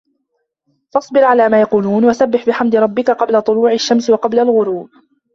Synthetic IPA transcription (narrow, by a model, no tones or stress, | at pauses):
fɑsˤbɪɾʕalaːmaːjɑquːluːnwasabːɪħbɪħamd̪ɪɾˤɑbːɪkaqɑblat̪ˤʊluːʕaʃːamswɑqɑblalɣʊɾuːb